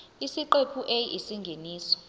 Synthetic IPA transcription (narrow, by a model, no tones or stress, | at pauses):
isiǃepʰuʔejisiŋɡʱeniːsɔ̥